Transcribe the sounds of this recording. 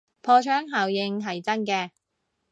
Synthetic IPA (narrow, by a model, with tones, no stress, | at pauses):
pʰɔː˧t͡ʃʰœː˥ŋɦaː˨˩wjɪ˧ŋɦɐ˨jt͡sɐ˥nkɛː˧